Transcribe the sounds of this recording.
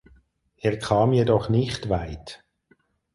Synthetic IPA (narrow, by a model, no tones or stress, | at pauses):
ʔeːʁkʰɑːmjɛdɔχnɪχtvaɪt